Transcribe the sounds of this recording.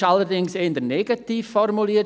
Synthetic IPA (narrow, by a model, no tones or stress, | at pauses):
alˠəɾdɪŋseːndənɛɡatʰiv̥fɔɾmʊlˠi